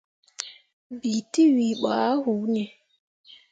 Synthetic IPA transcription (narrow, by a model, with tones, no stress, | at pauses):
bi˨ti˦wi˨ɓa˨˦hu˨˦ne˨